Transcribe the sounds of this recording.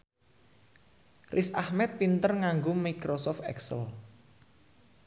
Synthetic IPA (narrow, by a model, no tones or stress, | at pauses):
rʔisahmɛt̪̚pint̪ərŋaŋɡomikɾosɔft̪ɛ̰ksəl